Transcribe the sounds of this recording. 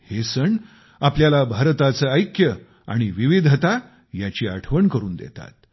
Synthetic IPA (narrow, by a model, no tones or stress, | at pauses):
hesəɳ | apljalabʱaɾt̪at͡səəjkjə | a̰ɽ̃iʋiʋid̪ʱt̪a | jat͡ɕiːaʈʰʋəɳkəɾuːnd̪ḛt̪a̰t̪̚